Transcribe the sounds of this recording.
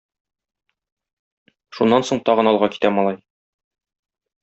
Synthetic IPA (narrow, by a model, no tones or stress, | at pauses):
ʃunːɑnsoɴt̪ɒʁɤ̆nɒlˠʁɑki̥t̪æmɒlˠɑj